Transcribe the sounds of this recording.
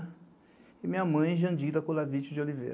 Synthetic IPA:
ɪmĩɲɐmɐ̃j̃ʒɐ̃nd͡ʒid̪ɐkõlavit͡ʃɪd͡ʒɪolivḛɾ

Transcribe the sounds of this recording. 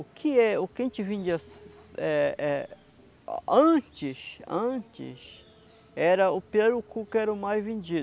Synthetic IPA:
ʊkʰɪɛʊkẽt͡ʃɪvẽnd͡ʒiɐsɛɛ | ɐ̃t͡ʃɪsɐ̃t͡ʃɪ̰s | ɛɾɐʊpeɾʊkukɛɾɐʊmajzvẽnd͡ʒi

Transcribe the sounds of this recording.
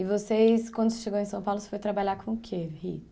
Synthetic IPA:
ɪvoseskwɐ̃nd̪ʊsɪ̥ʃeɡowẽsɐ̃w̃pawlʊse̥fojt̪ɾabaʎaɾkõʊkʰehḭ

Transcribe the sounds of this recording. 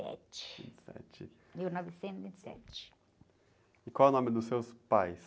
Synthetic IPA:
ɛ̰t͡ʃɪ̥vḭ̃nt͡ʃ̪sɛ̰t͡ʃɪ | miwnɔvisẽnzivĩnt͡ʃ̪sɛ̰t͡ʃɪ̥ | ɪkwawɛʊnõmɪd̪ʊsewspajs

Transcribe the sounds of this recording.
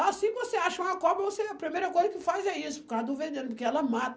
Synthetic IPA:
asĩvoseaʃɐũɐkɔbɐvoseɐpɾimejɾɐkojzɐkɪfazɛisʊpkad̪ovẽnd̪ẽnpʊɾkeɛlɐmat̪

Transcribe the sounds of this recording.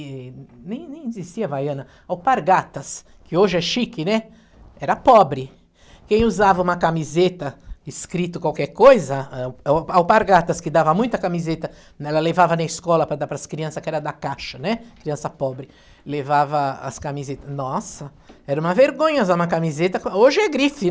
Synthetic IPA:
nẽj̃nẽj̃zist̪iɐvajɐ̃nɐ | awpaɾɡat̪ɐs | kɪoʒɪɛʃikɪnɛ | ɛɾɐpɔbɾɪ | kẽj̃uzavɐũmɐkamizet̪ɐɪskɾit̪ʊkwawkɛɾkojzɐ | awpaɾɡat̪ɐskɪd̪avɐmũj̃t̪ɐkamizet̪ɐ | ɛlɐlevavɐnɐiskɔlɐpɾɐd̪apɾɐskɾiɐ̃sɐskɪɛɾɐd̪akaʃɐnɛkɾiɐ̃sɐpɔbɾɪ | levavɐɐ̰skamizet̪ɐnɔsɐɛɾɐũmɐveɾɡõɲɐzaũmɐkamizet̪ɐkoʒɪɛɡɾifɪ

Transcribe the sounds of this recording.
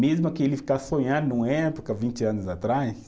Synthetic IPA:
mezmɐkɪelɪfi̥kḁsõɲãd̪ʊnũɛɛpokɐvĩnt͡ʃɪɐ̃nʊzat̪ɾajs

